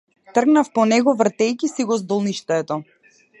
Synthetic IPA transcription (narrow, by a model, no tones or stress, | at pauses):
t̪r̩ɡnafpɔnɛɡɔvr̩t̪ɛjkisiɡɔzd̪ɔlˠniʃt̪ɛt̪ɔ